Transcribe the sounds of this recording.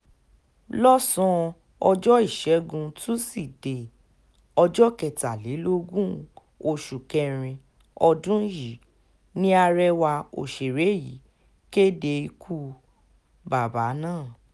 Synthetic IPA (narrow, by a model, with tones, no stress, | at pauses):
lɔ˦sɔ̃˧ | ɔ˧d͡ʒɔ˦i˦˨ʃɛ˨˦ɡũ˧tũ˦si˦˨de˨ | ɔ˧d͡ʒɔ˦kɛ˨ta˨le˨˦lo˦ɡũ˦ | o˧˨ʃu˨kɛ˧ɾ̃ĩ˧ | ɔ˧dũ˦ji˨˦ | nĩ˦a˧ɾɛ˦wa˧o̰˨ʃe˨ɾe˨˦˨ji˨˦ | ke˦de˧i˧kʰu˦ | ba˨ba˨˦nãː˦˨